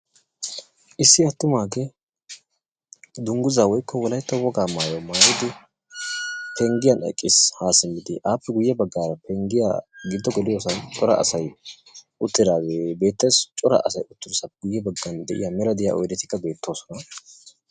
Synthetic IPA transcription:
ʔɪsːɪɐt̪ːʊmaːɡe | d̪ʊŋɡʊzaːwɔjkʰːɔwɔlɐjt̪ːɐwɔɡaːmaːjomaːjɪd̪ɪ | pʰɛŋɡɪjɐnɛ̰kʼːɪshaːsɪmːɪd̪ɪ̰ʔaːpːɛɡʊjːɛbɐɡːaːɾɐpɛŋɡɪja̰ɡɪd̪ːɔɡɛlɪjo̞ːsɐnt͡ʃʼɔɾɐ̰ɐ̰sɐj | ʔʊt̪ːɪd̪aːzebe̞ːt̪ːɛjst͡ʃʼɔɾɐ̰ʔɐ̰sɐjʊt̪ːɪdɔsɐɡʊjːɛbɐɡːɐnd̪ɛʔɪ̰jɐmɛlɐd̪ɪja̰ʔɔ̰jd̪ɛt̪ɪ̥kːɐbe̞ːt̪ːo̞ːsɔnɐ

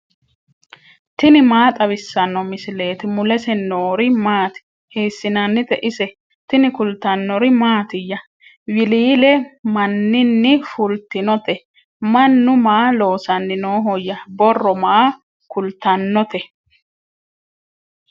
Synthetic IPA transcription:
t̪ɪnɪmaːt̪ʼɐβɪsːɐnːɔmɪsɪle̞ːt̪ɪmʊlɛsɛnːoːɾɪmaːt̪ɪ̥ | hiːsːɪnɐnːɪt̪ɛʔɪsɛ | t̪ɪnɪkʊlt̪ɐnːɔɾɪmaːt̪ɪjːɐ | wɪliːlɛmɐnːɪnːɪfʊlt̪ɪnɔt̪ɛ | mɐnːʊmaːlo̞ːsɐnːɪno̞ːɦɔjːɐbɔrːɔmaː | kʊlt̪ɐnːɔt̪ɛ

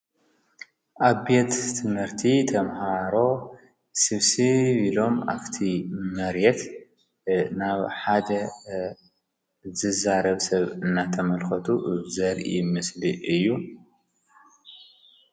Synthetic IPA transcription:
ʔaβet̪ʰːɨmhɨɾt̪ʰit̪ʰɐmhaɾo̞ | sɨβsiβilo̞ma̰βt̪ʰimɐɾjɛt̪ | naβħad̪ɐ | zɨzaɾɐβsɐβɨnːat̪ʰɐmɐlxɐt̪ʰuʔzɐɾʔʔḭmɨsliʔɨjːu

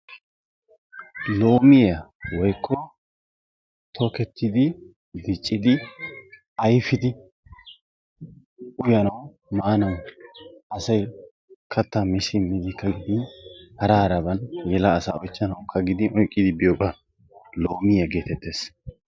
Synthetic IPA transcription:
lo̞ːmɪjɐwɔjkʰːɔ | t̪ʰokɛt̪ʰːɪd̪ɪ | d̪ɪt͡ʃʼːɪd̪ɪ | ɐjfɪd̪ɪ | ʊjɐnɐw | maːnɐw | ʔɐsɐj | kʰɐt̪ːamɪʃɪmːɪd̪ɪkːɐɡɪd̪ɪnhɐɾaːɾɐbɐnjɛlɐːsa̰ːɔjt͡ʃːɐnɐwkʰɐɡɪd̪ɪnɔjkʼːɪd̪ɪbɪjokʼɐ | lo̞ːmɪjɐɡe̞ːt̪ɛt̪ːe̞ːs

